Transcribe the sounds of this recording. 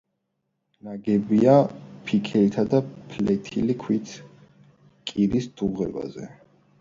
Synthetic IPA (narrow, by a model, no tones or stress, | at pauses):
naɡɛbiapʰikʰɛit̪ʰad̪apʰlɛt̪ʰḭlikʰwit̪ʰ | kʼiɾisd̪̥uʁɛ̰ba̰zɛ̰